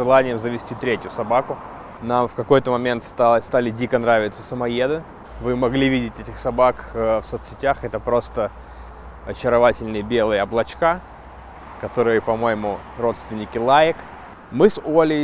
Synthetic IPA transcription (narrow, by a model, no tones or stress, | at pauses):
ʐɨlˠanʲɪjəmzəvʲɪsʲtʲit̪ɾʲetʲjʊsɐbakʊ | namfkɐko̞jt̪əmɐmʲe̞nt̪st̪alˠst̪alʲɪdʲikənɾavʲɪt̪səsəmɐjed̪ɨ | vɨmɐɡlʲivʲidʲɪtʲɛtʲɪxsɐbakfsot̪sʲɪtʲaxɛt̪əpɾo̞st̪ə | ɐt͡ɕɪɾɐvatʲɪlʲnɨjəbʲe̞lˠɨjəɐblˠɐt͡ɕka | kɐt̪o̞ɾɨjəpɐmo̞jɪmʊ | ro̞t̪st̪vʲɪnʲːɪkʲɪlˠajɪk | mɨsolʲɪ